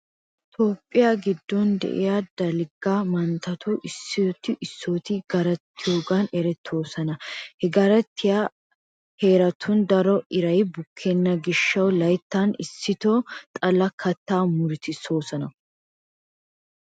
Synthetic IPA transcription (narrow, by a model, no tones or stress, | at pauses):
t̪oːpʼːɪjaːɡɪd̪ːɔnd̪ɛ̰ʔɪ̰jad̪̥ɐlɪɡamɐnt̪ɐt̪ʊʔɪsːɪt̪ɪʔɪsːoːt̪ɪɡɐɾɐt̪ːɪjoːɡɐnɛɾɛt̪ʰːo̞ːsɐnɐhɛɡɐɾɐt̪ʰːɪja | he̞ːɾɐt̪ʰʊnd̪ɐɾɔʔɪɾɐjbʊkʰːenːɐɡɪʃːɐwlɐjt̪ːɐnɪsːɪt̪ot̪ʼɐlɐkʰɐt̪ːaːmʊɾɪt̪ɪso̞ːsɐnɐ